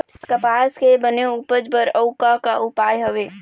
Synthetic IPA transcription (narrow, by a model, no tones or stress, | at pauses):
kəpaskebəneupəd͡ʒbəɾəʊkakaupajɦəʋe